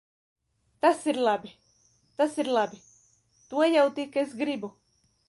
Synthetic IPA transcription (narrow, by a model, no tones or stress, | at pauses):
t̪asiɾlˠabʲi | t̪asiɾlˠabi | t̪uɔjawt̪ikesɡɾibu